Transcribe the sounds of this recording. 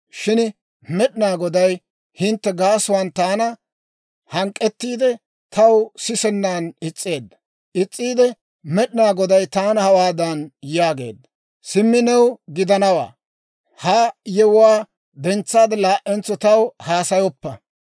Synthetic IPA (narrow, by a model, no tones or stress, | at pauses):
ʃɪn | mɛɗɪnaːɡɔd̪ɐj | hɪnt̪ːɛɡaːsʊwant̪aːnɐ | hɐŋkʼːɛt̪ːiːd̪ɛ | t̪ʰɐwsɪsɛnːaːnɪt͡sʼːe̞ːd̪ːɐ | ʔɪt͡sʼːiːd̪ɛ | mɛɗɪnaːɡɔd̪ɐjt̪aːnɐhɐwaːd̪ɐnjaːɡe̞̰ːd̪ːɐ | sɪmːɪnɛwɡɪd̪ɐnɐwa̰ː | hɐjɛwʊwaː | d̪ɛnt͡sːaːd̪ɛlaːʔʔːɛnt͡sːɔt̪ɐwhaːsɐjɔpːɐ